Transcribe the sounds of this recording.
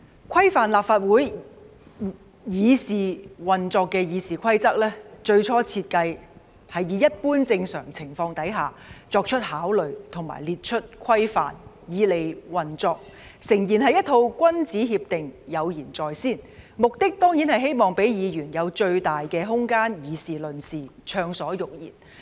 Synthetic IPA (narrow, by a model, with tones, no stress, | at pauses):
kʷʰɐ˥jfaː˨nlaː˨p̚faː˧t̚wuː˨˥j | jiː˨˧siː˨˩wɐ˨nt͡sɔː˧kːɛː˧jiː˨˧siː˨kʰɐ˥jt͡sɐ˥k̚lɛː˥t͡ʃɵ˧ɥt͡ʃʰɔː˥t͡sʰiː˧t̚kɐ˧j | hɐ˨jiː˨˥jɐ˥t̚puː˥nt͡sɪ˧ŋsœ̰ː˨˩ŋt͡sʰɪ˨˩ŋfɔː˧ŋt̪ɐ˨˥jɦaː˨˩ | t͡sɔː˧k̚t͡ʃʰɵ˥t̚haː˨˥wlɵ˨ɥt̪ʰʊ˨˩ŋma̰ː˨˩jliː˨t̚t͡ʃʰɵ˥t̚kʷʰɐ˥jfa̰ː˨n | jiː˨˧le˨jwɐ˨nt͡sɔː˧k̚sɪ˨˩ŋjiː˨˩nɦɐ˨jɐ˥t̪ʰo˧wkʷɐ˥nt͡siː˨˥ɦiː˧p̚t̪ɪ˨ŋjɐ˨˧wjiː˨˩nt͡sɔː˨jsiː˥˩nmʊ˨k̚t̪ɪ˥k̚t̪ɔː˥ŋjiː˨˥nhɐ˨jɦe˥jmɔː˨ŋpe˨˥jjiː˨˧jyː˨˩njɐ˨˧wt͡ʃɵ˧ɥt̪aː˨jkɛː˧ɦʊ˥ŋkaː˥njiː˨˧siː˨˩lɵ˨˩nsiː˨˩t͡ʃʰœː˧ŋsɔː˨˥jʊ˨k̚jḭː˨˩n